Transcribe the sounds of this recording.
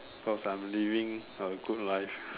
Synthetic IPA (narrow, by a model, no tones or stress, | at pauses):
pʰɔsãmlivĩŋəɡut̚laɪf